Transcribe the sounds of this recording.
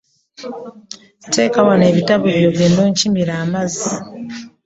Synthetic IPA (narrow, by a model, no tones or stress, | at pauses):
te̞ːkawane̞ːβitaβoβjo̞βjenːoːɲcimiɾaːmazi